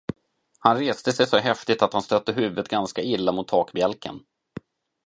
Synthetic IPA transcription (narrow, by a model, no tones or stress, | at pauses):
hanɾeːst̪əsɛjsɔɦɛft̪ɪt̪at̪hanst̪œt̪ːəɦʉ̟ːvət̪ɡanskaɪlːamʊt̪ʰːɑːkbjɛlkʰə̰n